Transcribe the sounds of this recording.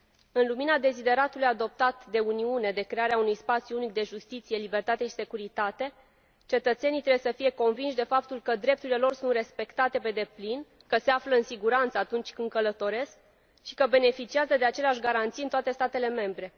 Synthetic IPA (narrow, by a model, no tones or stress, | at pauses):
ɨnluminad̪e̞zid̪e̞ɾat̪ulujad̪o̞p̚t̪at̪d̪e̞uniune̞d̪e̞kɾe̞aɾeaunujspat̪sjuunik̚d̪e̞ʒust̪it̪sije̞libe̞rt̪at̪e̞ʃi̥se̞kuɾit̪at̪e̞ | t͡ʃe̞t̪ət̪se̞nijt̪ɾewjsəfije̞ko̞nvinʃd̪e̞fap̚t̪ulkəd̪ɾe̞p̚t̪uɾile̞lo̞rsunt̪re̞spe̞kt̪at̪e̞pe̞d̪e̞plin | kəse̞afləɨnsiɡuɾant̪səat̪unt͡ʃʲkɨnd̪̚kələt̪o̞ɾe̞sk̚ | ʃi̥kəbe̞ne̞fit͡ʃiazəd̪e̞at͡ʃe̞leaʃʲɡaɾant̪sijɨnt̪oat̪e̞st̪at̪e̞le̞me̞mbɾe̞